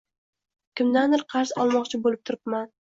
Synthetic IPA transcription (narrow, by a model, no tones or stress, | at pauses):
kʲɪmd̪and̪ɪɾqʰɑɾsɒlˠmɒqt͡ʃʰɪbolɪp̚t̪ʰʊɾɪpman